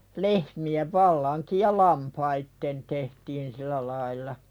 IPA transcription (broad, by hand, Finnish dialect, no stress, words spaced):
lehmieʋ ʋɑlːɑŋkij jɑ lɑmpɑitːen tehtiːn silæ lɑilˑɑ